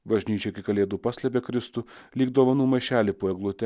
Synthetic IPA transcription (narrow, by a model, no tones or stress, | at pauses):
bɐʒʲnʲiːt͡ʃʲoɪkʲɪkɐlʲeːd̪uːpɑːsʲlʲɛp̬ʲekɾʲɪst̪uːlʲiːɡd̪oːʋɐnuːmɐɪʃʲæːlʲipoːɛɡlˠʊt̪ʲɛ